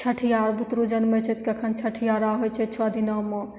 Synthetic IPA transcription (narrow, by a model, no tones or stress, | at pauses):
t͡ʃʰɐʈʰijaːɾbʱut̪ɾud͡ʒɐnmət͡ʃʰet̪kɐkʰɐnt͡ʃʰɐʈʰijaːɾaːɦojt͡ʃʰet͡ʃʰoɐd̪inɐmɔ